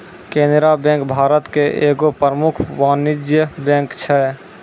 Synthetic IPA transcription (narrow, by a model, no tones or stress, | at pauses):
kẽnd̪ɾabɛ̃ŋkbʱaːɾət̪keʔeːɡopəɾəmukʰwaːnid͡ʒjəbɛ̃ŋkt͡ʃʰɛ